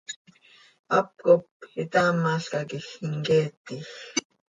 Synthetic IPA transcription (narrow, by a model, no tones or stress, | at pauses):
ɑp̚kopit̪aːmɑɬkɑkixiŋkɛːt̪ix